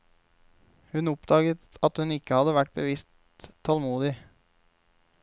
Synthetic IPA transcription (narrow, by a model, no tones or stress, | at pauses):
hʉnʊpd̪ɑːɡət̪ɑt̪hʉnɪkːəhɑd̪əʋæʈ̚ːbəʋɪst̪ʰː | ɑlmuːd̪ɪ